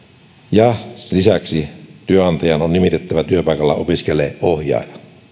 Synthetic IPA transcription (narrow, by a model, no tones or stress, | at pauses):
jɑlisæksit̪yøɑnt̪ɑjɑnonnimit̪et̪ːæʋæt̪yøpɑˑikɑlːɑ̰opiskeleːʔʔohjɑ̰ˑːjɑ